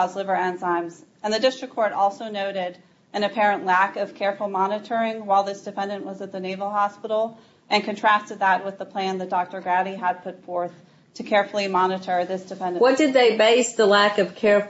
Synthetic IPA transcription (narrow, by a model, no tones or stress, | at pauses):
ʊzlɪvə˞æ̃nzãɪ̃mz | ɨ̃nðɨdɪstɹ̥ɨkʰːɔɹɾɔlˠsoʊnoʊɾɪɾ | ɨ̃nɨpʰɛɹɨ̃nʔlækʌv̥kʰɛɹfl̩ˠmɑnɨɾə˞ɪ̃ŋwaɪlˠðɪsd̥ɨfɛ̃ndɨ̃nʔwʌzɨt̪̚ðɨneɪvl̩ˠhɑspɪɾl̩ˠ | ʔɨ̃nkɨ̃ntʰɹ̥æstɨd̪̚ðət̚wɨðəpʰl̥æ̃nðɨt̚d̥ɑk̚tə˞ɡɹæɾiəd̚pʰʊtfɔɹθ | tʰɨkʰɛɹfl̩ˠimɑnɨɾə˞ðɪsd̥ɨfɛ̃ndɨ̃wʌt̚d̥ɨd̪̚ðeɪbeɪsðəlækʌv̥kʰɛɹ